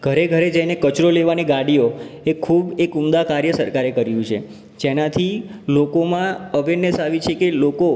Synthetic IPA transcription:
ɡ̥ʱəɾeɡʱəɾed͡ʒainekət͡ʃɾoleʋaneɡaɽijoekʰubekumd̪akaɾjəsəɾkaɾekəɾjũt͡ʃʰḛ | d͡ʒenat̪ʰilokomãəʋenːesaʋit͡ʃʰekeloko

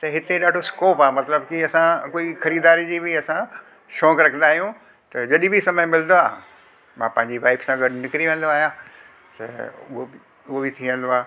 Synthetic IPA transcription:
t̪ɐɦɪt̪eɗaːɖʱoskoːpaːmɐt̪ləbkiɐsãkoːixɐɾiːd̪aːɾid͡ʑiːbɪɐsã | ʃɔ̃ːkɾɐkʰə̃nd̪aːɦijũ | t̪ɐd͡ʑɐɗĩbɪsɐməj̃mɪl̃nd̪oaː | mãːpɐ̃ɦɪ̃ɲd͡ʑiʋaːɪbsãɡɐɖnɪkɪɾiʋẽːn̆d̪oaːɦijã | t̪ɐ̰ʊɦo | ʊɦobɪt̪ʰiə̃n̆d̪oaː

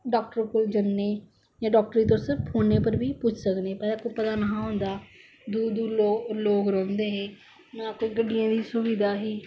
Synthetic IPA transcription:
ɖɔːk̚ʈəɾkʊld͡ʒənːeː | d͡ʒãːɖɔːk̚ʈɾiːt̪õsɪɾppʰoːneːpəɾbiːpʊt͡ʃʰsəkneːpəɾakoːpət̪aːnaːɦõːnd̪aː | d̪uːd̪uːloːloːɡɾɔ̃ːnd̪eːɦeː | mɛ̃kːoiːɡəɖijãːd̪iːsʊʋid̪aːɦiː

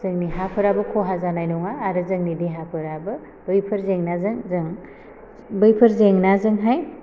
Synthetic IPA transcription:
zɯŋniɦapʰɯɾabɯkʰoɦazanajnɔŋaːɾɯzɯŋnidiɦapʰɯɾabɯ | b̥ɯjpʰɯɾzeŋnazɯŋzɯŋ | bɯjpʰɯɾzeŋnazɯŋɦaj

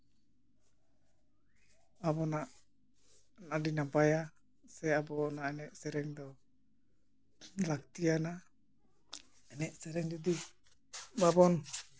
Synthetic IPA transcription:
abɔnaʔ | naɖinapaja | sɛabɔnaɛnɛʔsɛɾɛŋd̪ɔ | lakt̪ijana | ɛnɛʔsɛɾɛŋd͡ʒud̪i | babɔn

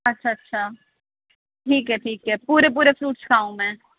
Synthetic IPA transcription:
ɐtːʃʰaɐtːʃʰa | ʈʰiːkɦɛʈʰiːkɦɛpuːɾep̬uːɾefɾuːʈ̚t͡ʃkʰaːũmɛ̃ː

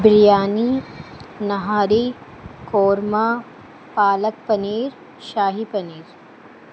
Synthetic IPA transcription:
bɾijaːni | nɐɦaːɾi | koːɾma | paːlək̚pɐniːɾ | ʃaːɦipɐniːɾ

